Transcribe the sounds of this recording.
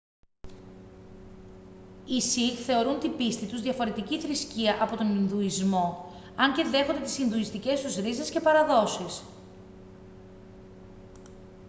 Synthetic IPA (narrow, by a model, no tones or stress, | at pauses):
isiθe̞o̞ɾunt̪ibist̪it̪uzðʝɐfo̞ɾe̞t̪iciθɾisciɐʔɐpo̞t̪o̞ninðuizmo̞ | ɐɲce̞ðe̞xo̞nd̪et̪i̥sinðuist̪ice̞st̪uzɾize̞sce̞pɐɾɐðo̞sis